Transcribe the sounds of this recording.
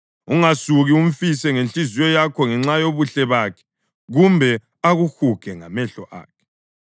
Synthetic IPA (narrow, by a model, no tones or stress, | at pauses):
uŋasuɣiuɱ̩fisɛŋent͡ɬiziwɔjakʰɔŋɛŋ͡ǁajoβuɬɛβakʰɛ̥ | ɣumbʱɛ | aɣuxukʰɛŋa̰mɛɬɔʔa̰ːkʰɛ̥